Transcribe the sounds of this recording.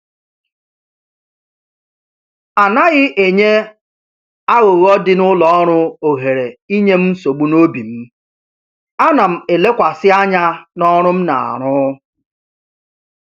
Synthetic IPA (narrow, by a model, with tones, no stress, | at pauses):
a˨na˦ɣɪ˦ʔe˨ɲe˦ | a˦ɣo˨ɣɔ˦dɪ˦nʊ˦lɔ˨ɔ˦ɾ̃ʊ˦o˨ɦe˨ɾe˨i˦ɲe˦m̩˦so˨ɡ͡bu˦no˦bi˨m̩˦ | a˦na˨m̩˨e˨le˦kʷa˨sɪ˦a˦ɲa˦nɔ˦ɾʊ˦m̩˦na̰˨a̰˨ɾ̃ʊ˦